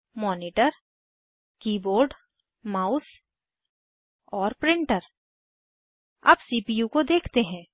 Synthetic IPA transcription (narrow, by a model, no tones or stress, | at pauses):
mɔːniːʈəɾ | kiːboːɾɖ | maːʊs | ɔːɾpɾɪ̃ɳʈəɾ | ɐ̰bsiːpijukod̪eːkʰt̪eɦɛ̃ː